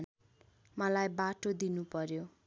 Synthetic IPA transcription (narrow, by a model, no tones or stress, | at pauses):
mʌlajbaʈod̪inupʌɾjo